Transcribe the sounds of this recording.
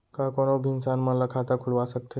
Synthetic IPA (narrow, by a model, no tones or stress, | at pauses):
kakoñobʱinsanməlakʰat̪akʰulʋasək̚t̪ʰe